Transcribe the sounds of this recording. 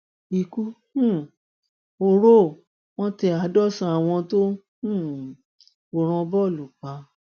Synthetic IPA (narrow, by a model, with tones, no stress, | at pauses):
i˧˨ku˦ | ũ˦˨ | o˧ɾo˦˨ | w̃ɔ̃˦tɛ˧a˨˧dɔ˦sã˧˦a˨w̃ɔ̃˧to˦ | ũ˦˨ | o˧˨ɾ̃ɔ̃˧bɔ˦˨lu˨k͡pa˧˦